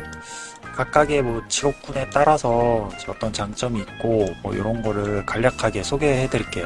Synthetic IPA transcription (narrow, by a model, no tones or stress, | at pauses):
kak̚k͈aɡemʌt͡ɕiɾok̚k͈une̞t͈aɾasʰʌeʌt͈ʌnt͡ɕaŋt͡ɕ͈ʌmiːt̚k͈omwʌ̰jo̰ɾʌnɡʌɾɯɭkaʎːakʰaɡe̞sʰoɡe̞hedɯɭik͈e̞jo